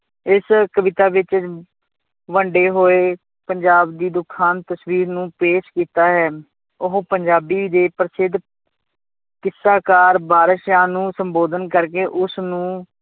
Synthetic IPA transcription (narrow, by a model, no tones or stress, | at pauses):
ɪskəʋɪt̪aːʋɪt͡ʃ | ʋəɳɖeːɦoːeː | pəɲd͡ʒaːbd̪iːd̪ʊkʰːaːnt̪əsʋiːɾnũːpeːʃkiːt̪aːɦɛː | ʊɦopəɲd͡ʒaːbiːd̪eːpəɾsɪd̪ | kɪsːaːkaːɾbaːɾəʃjaːnũːsəmboːd̪ənkəɾk̬eːʔʊsnũː